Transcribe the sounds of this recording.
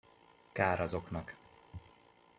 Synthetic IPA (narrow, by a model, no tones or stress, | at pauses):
kaːɾɒzo̞knɒk